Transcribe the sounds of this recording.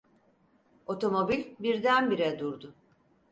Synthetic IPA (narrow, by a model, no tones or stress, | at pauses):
o̞t̪ʰo̞mo̞bilʲbiɾd̪ænbiɾɛd̪uɾd̪ʊ